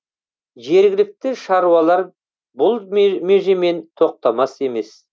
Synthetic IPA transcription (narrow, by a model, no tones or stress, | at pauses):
ʒe̞ɾɡʲɪlɪk̚t̪ɪʃɑɾuɑlˠɑɾ | bʊlˠmeʒeme̞nt̪ʰo̞q̚t̪ɑmɑse̞me̞s